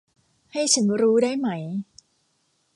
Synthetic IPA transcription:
ha˥˩jt͡ɕʰa˦nɾuː˦˥daː˥˩jma˦˥j

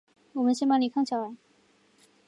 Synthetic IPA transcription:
wɔ˨˩mə˦nɕi˥ma˥nli˨˩kʰɑ˥ŋt͡ɕʰa˥˩wa˨˩˦

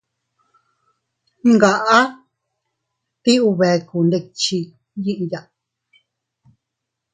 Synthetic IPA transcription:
ŋɡa˨ʔa˦ | t̪i˦u˧βe˨˧ku˨nde˧k̚t͡ʃi˧ | ji˦ʔja˨

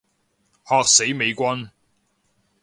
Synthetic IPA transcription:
hɔː˨˧k̚se˨˥jme˨˧jkʷɐ˥n

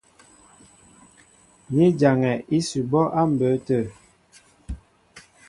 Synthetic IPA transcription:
ni˦d͡ʒa˨ŋɛ˨ʔi˦su˨bɔ˦ʔa˦m̩˨bə˨˦tə˦˨

